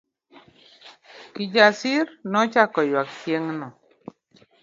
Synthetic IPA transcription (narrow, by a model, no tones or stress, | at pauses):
kid͡ʒasiɾnɔt͡ʃakɔjwaktjeŋnɔ